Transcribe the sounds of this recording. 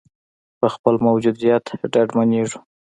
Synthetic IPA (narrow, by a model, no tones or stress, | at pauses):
pəxpəlmawd͡ʒud̪ijɑt̪ɖaɖmaneʐu